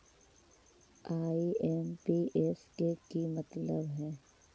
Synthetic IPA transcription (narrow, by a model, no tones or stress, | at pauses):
aːiɛːmpiʔeskekimɐt̪ləbɦɛː